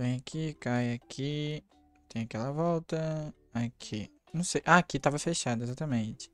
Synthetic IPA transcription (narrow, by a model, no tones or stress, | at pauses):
vẽj̃akʰikajakʰi | t̪ẽj̃akɛlɐvɔwt̪ɐ | akʰi | nɐ̃w̃sejʔaːkit̪avɐfeʃad̪ɐezat̪ɐmẽt͡ʃɪ̥